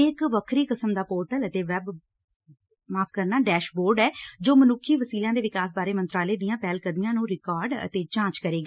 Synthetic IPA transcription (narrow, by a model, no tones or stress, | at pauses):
ɪkʋəkʰɾiːkəsəmd̪aːpoːɾʈələt̪eːʋɛb | maːpʰkəɾnaːɖɛːʃboːɾɖɛːd͡ʒoːmənʊkʰːiːʋəsiːljãːd̪eːʋɪkaːs̬baːɾeːmə̃nt̪ɾaːleːd̪ɪjãːpɛːlkəd̪mijãːnũːɾɪkaːɾɖə̰t̪eːt͡ʃãːt͡ʃkəɾeːɡaː